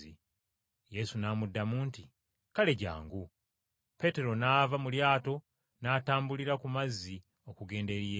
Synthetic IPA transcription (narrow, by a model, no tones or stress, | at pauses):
i | je̞sunaːmudːamuːnti | kale̞ɟa̰ːŋɡu | pe̞te̞ɾo̞naːvamuljaːto̞ | naːtaːmbuliɾakumazːi | o̞kuɡe̞ːnde̞ɾie